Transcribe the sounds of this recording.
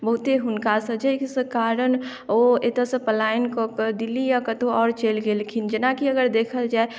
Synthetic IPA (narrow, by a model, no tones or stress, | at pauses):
bəɦut̪eɦʊnkasəd͡ʒəksəkaɾən | oet̪əsə̃pəlaːɪnkokd̪ilːijakət̪oɔːɾt͡ʃelɡelkʰind͡ʒɪnakiəɡəɾd̪eːkʰəld͡ʒaːe